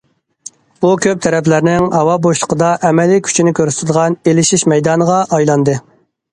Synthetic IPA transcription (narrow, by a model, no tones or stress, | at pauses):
b̥ukʲʰøp̚t̪ʰɛɾɛplæɾnɪŋhɑwɑboʃlˠəqʰəd̪ɑʔɛmɛlikʲʰy̥t͡ʃʰinɪkʲʰøɾst̪ʰɨd̪əʁɑnelɪʃiʃmɛjd̪ɑːnəʁɑʔɑjlˠɑnd̪ɨ